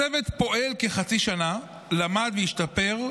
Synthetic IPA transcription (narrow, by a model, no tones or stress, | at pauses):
evet̪po̞ʔelkeχat͡siʃana | lamad̪vejiʃtape̞ʁ